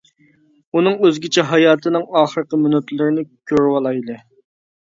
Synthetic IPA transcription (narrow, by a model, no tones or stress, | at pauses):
unɨŋøzɡʲɪt͡ʃʰɛɦɑjɑːt̪ʰɨnɨŋɑːχəɾəqəmynøt̪lɪɾɪnɪkʲʰøɾwɑlˠɑjlˠɨ